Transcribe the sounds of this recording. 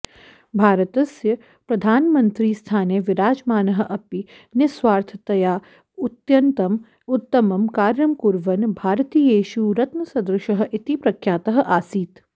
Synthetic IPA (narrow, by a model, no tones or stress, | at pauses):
bʱaːɾət̪ɐsjɐ | pɾɐd̪ʱaːnmɐ̃nt̪ɾiːst̪ʰaːneʋɪɾaːd͡ʒmaːnɐɦɐ̆ʔɐpi | neswaːɾt̪ʰɐt̪ɐjaː | ʊt̪jɐnt̪ɐm | ʊt̪ːɐmɐmkaːɾjɐmkuɾʋɐnbʱaːɾt̪iːeːʃuɾɐt̪mɐsɐd̪ɾɪʃɐɦɐ̆ʔɪt̪ipɾɐkʰjaːt̪ɐɦɐ̆ʔaːsiːt̪